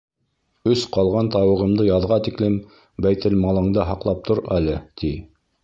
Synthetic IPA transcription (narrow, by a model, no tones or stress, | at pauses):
ɵsqɑlˠʁɑnt̪ɑwɤ̆ʁɤ̆md̪ɤjɑðʁɑt̪iklɘm | bæjt̪ɘlmɑlˠɤ̆ɴd̪ɤɦɑqlˠɑp̚t̪ʰoɾælɘt̪ʰi